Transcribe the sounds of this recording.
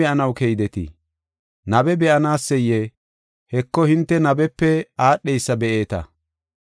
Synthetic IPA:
ɛʔɐnɐwkɛjd̪ɛt̪ɪ̰ | nɐbɛbɛʔɐnaːsːɛje | hɛkːɔhɪnt̪ːɛnɐbɛpːɛaːɗːɛjsːɐbɛʔe̞ːt̪ɐ̰

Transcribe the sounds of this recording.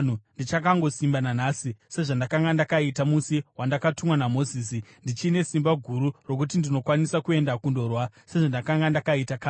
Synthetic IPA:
nundit͡ʃakaŋɡo̞simbananaːsise̞ʐandakaŋɡandakaitamusiwandakatumwanamo̞ziːsindit͡ʃiːne̞simbaɡʱuɾuro̞kut̬indino̞kwanisakue̞ndakundo̞rwase̞ʐandakaŋɡandakaitakaː

